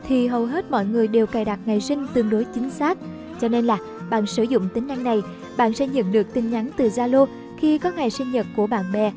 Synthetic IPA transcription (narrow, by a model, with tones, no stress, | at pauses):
t̪ʰi˨˩ɦə˨˩wɦe˦˥t̚mɔ̰˧˨jŋɨ˨˩əjɗe˨˩wkaː˨˩jɗa˨˩t̚ŋa˨˩jsï˧ŋ̟t̪ɨ˧əŋɗo˨˦jt͡ɕï˨˦ŋ̟saː˦˥k̚ | t͡ɕɔ˧ne˧nlaː˨˩ | ɓa̰ː˧˨nsɨː˧˩zʊ̰˧˨ŋ͡mt̪i˨˦ŋ̟a˧ŋna˨˩j | ɓa̰ː˧˨nsɛ̰˧˥ɲə̰˧˨nɗɨ˨˩ək̚t̪ï˨˩ŋ̟ɲa˨˦nt̪ɨ˨˩zaː˧lo˧ | xi˧kɔ˨˦ŋa˨˩jsï˧ŋ̟ɲə˨˩t̚ku˧˩əɓa̰ː˧˨nɓɛ˨˩